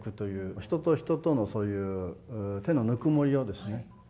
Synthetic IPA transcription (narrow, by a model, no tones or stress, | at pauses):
kɯ̟t̪o̞jɯ̟ːçi̥t̪o̞t̪oçi̥t̪o̞t̪o̞no̞so̞ːjɯ̟ːt̪e̞no̞nɯ̟kɯ̟mo̞ɾʲiod̪e̞sɨne̞